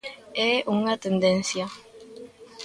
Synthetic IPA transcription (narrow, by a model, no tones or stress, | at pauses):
ɛʔuŋat̪end̪ẽnsja